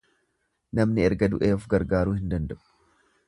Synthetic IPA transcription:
nɐmnɪɛɾɡɐd̪ʊʔeːɔfɡɐɾɡaːɾuːhɪnd̪ɐnd̪ɐʔʊ̥

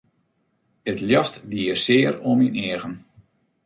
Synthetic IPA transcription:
ətljɔxtdiəsɪːəɾominɪəɣən

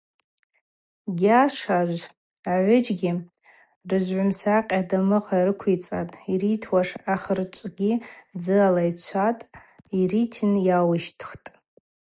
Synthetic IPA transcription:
ɡʲaʂaʒʷ | aʕʷʊd͡ʒɡʲi | rɨʒʷʕʷʊmsaqʲʼadamɨqarɨkʷʰit͡sʼa̰tʼiɾitʰwaʂaχərt͡ʃʷʼɡʲid͡zɨalajt͡ʃʷʰatʼiritʰɨnjawɨʃtʰχtʼ

